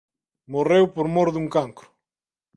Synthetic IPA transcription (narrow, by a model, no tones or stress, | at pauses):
morewpoɾmoɾðuŋkaŋkɾʊ̥